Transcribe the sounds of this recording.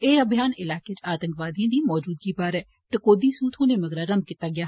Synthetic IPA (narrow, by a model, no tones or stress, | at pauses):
eːəbʱijaːnɪlaːkeːt͡ʃaːt̪əŋkʋaːd̪ijãːd̪iːmɔːd͡ʒuːd̪ɡiːbaːɾɛː | ʈəkoːd̪iːsuːt̪ɦoːneːməɡɾaːɾəmb̚kɪt̪aːɡɪjaː